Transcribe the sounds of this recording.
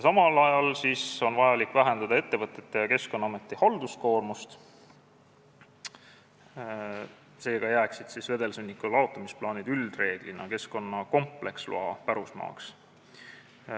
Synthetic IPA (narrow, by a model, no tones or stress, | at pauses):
sɑmɑlɑjɑlsiːso̞nvɑjɑlikːˑvæɦe̞nd̪ɑd̪ɑe̞t̪ːe̞vɤt̪ːˑe̞t̪ːe̞jɑke̞sko̞nːɑɑme̞t̪ˑːihɑld̪usko̞ːrmust̪ | se̞ːɡ̥ɑjæːksid̪̥sisve̞d̪e̞lsunʲːikːulɑo̞t̪ːˑɑmisplɑːnid̪yld̪̥re̞ːɡ̥linɑke̞sko̞nːɑko̞mpˑlekslṵɑpæɾusmɑ̰ːks